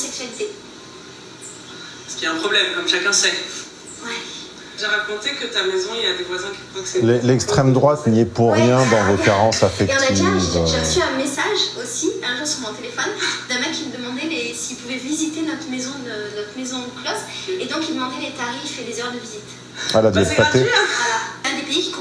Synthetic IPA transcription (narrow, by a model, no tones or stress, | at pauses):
sɛksɥalit̪e | sə̥kʲiɛ̃pχɔblɛmkɔmʃakɛ̃sɛ | wɛ | ʒeʁakɔ̃t̪ekət̪amezɔ̃iljad̪evwazɛ̃kʲiχɔkselɛlɛkst̪χɛmd̪ʁwat̪niɛpuʁjɛ̃d̪ɑ̃vokaʁɑ̃safɛk̪naivʒeʁəsyɛ̃mesaʒosiɛ̃ʒɑ̃sumɔ̃t̪elefɔnd̪ɛ̃mɛkʲːiməd̪əmɑ̃d̪ɛlesiːlpuvɛvizit̪enɔt̪χmezɔ̃d̪ənɔt̪χmezɔ̃klɔsed̪ɔ̃kild̪əmɑ̃d̪ɛlet̪aʁifɛd̪ezœʁd̪əvizit̪ | alad̪ɛt̪pat̪e | ɛ̃d̪epeikʲi̥kɔ̃